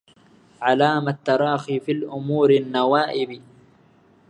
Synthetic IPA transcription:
ʕalaːmat̪ːɑɾˤɑːxiːfilʔʊmuːɾanːawaːʔɪb

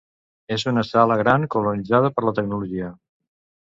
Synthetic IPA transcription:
ezunəsaləɣ̞ɾaŋkulunid͡zaðəpəɾlət̪əɡ̚nuluʒiə

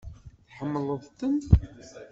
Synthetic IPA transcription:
θħəmːləðˤt̪ːən

